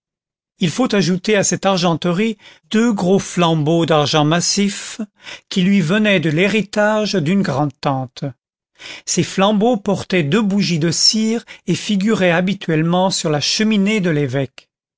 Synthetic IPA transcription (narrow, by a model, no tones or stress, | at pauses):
ilfot̪aʒut̪easɛt̪aʁʒɑ̃t̪əʁid̪øɡʁoflɑ̃bod̪aʁʒɑ̃masifkʲilɥivənɛd̪əleʁit̪aʒd̪ynɡʁɑ̃d̪̚t̪ɑ̃t̪ | seflɑ̃bopɔʁt̪ɛd̪øbuʒid̪əsiʁefiɡʲyʁɛabit̪ʰɥɛlmɑ̃syʁlaʃəmined̪əlevɛk